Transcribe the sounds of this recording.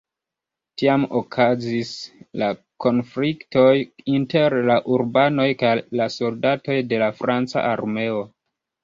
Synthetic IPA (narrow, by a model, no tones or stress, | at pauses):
tiamokʰazisla | ko̞nflikto̞jinte̞ɾlaʔuɾbano̞jkajlaso̞ldato̞jde̞lafɾʔant͡sa̰ʔaɾme̞o̞